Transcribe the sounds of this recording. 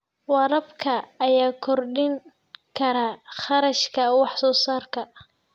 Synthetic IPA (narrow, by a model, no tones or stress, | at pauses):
wɑɾɐbkʰɐːjaːkʰɔrɖɪŋ | kʰɐɾaːχɑɾɐʃkʰɐwɑħsɔːsaːrkʰɐ